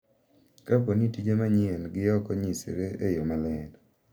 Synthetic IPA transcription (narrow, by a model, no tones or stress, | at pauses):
kaponitid͡ʒemaɲienɡɪjɔkɔɲisḛɾeejomalɛn